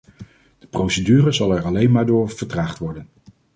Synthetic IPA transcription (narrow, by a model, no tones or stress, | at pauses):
d̥əprowsədyːrəzɑlˠɛɹɑlejnmaːɹdʊːɹv̥əɹtraːχtʋɔɹdən